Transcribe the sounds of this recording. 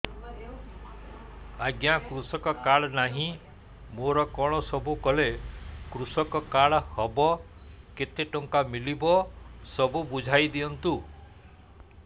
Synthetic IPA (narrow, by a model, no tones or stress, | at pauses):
aɡjakɾusɔkɔkaɭɔnaɦĩ | moɾɔkɔɽ̃ɔsɔbʱukɔlekɾusɔkɔkaɭɔhɔbɔ | ket̪eʈɔŋkamilibɔsɔbubud͡ʒʱajd̪iɔnt̪u